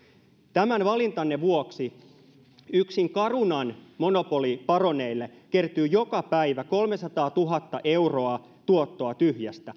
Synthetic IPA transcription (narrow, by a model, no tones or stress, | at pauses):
t̪æmænʋɑlint̪ɑnːeʋuoksi | yksiŋkɑrunɑnmonopo̞lipɑroneilːekert̪yːjo̞kɑpæiʋæko̞lmesɑt̪ɑːt̪uɦɑt̪ːɑʔeuro̞ɑ | t̪uot̪ːo̞ɑt̪yhjæst̪æ